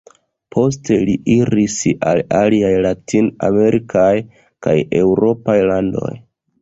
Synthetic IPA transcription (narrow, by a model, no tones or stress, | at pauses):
pʰo̞s̬te̞liiɾisa̰laliajlatina̰me̞ɾʔikʰaj | ka̰je̞wɾo̞pajlando̞̰j